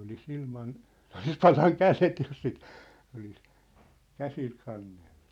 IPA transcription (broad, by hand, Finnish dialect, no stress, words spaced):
olis ilmɑn sĕ olis pɑlɑŋ kælet jos sit olis kæsil kɑnːell̥u̥